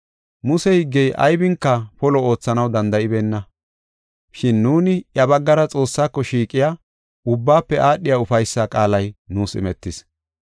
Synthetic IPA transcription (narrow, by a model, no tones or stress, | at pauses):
mʊsɛhɪɡːɛjʔɐ̰jbɪŋkːɐpɔlɔo̞ːt͡sːɐnɐwd̪ɐnd̪ɐɪbeːnːɐ | ʃɪnːuːnɪjɐbɐɡːɐɾɐt͡sʼo̞ːsːaːkːɔʃiːkʼɪja | ʊbːaːpːɛʔaːɗːɪjaːʊfɐjsːakʼaːlɐjnuːsɪ̰mɛt̪ːɪs